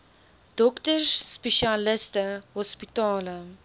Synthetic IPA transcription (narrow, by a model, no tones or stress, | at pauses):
d̥ɔktərsːpeʃaləstəɦɔspitɑːlə